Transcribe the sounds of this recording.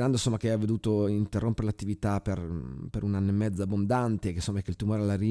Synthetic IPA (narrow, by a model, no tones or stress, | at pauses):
ɾand̪osomːakeɛavːed̪uːt̪oint̪erːompeɾelat̪ːivit̪aperpeɾunanːoemːɛd̪zabːond̪ant̪ekesomːaɛkːeilt̪umoːɾealaɾi